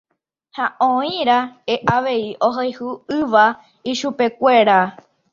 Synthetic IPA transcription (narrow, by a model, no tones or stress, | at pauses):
haʔõĩɾaeʔaʋe̞iʔoɦojhuɨʋa | iʃupe̞kʷe̞ɾa